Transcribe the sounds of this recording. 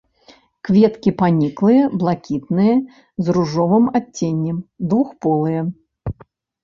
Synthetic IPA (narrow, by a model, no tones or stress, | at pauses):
kvʲɛt̪kʲipanʲiklˠɨjɐblˠakʲit̪̚nɨjɐ | zruʐɔvɨmat͡sʲːenʲːɛmd̪vuxpɔlˠɨjɐ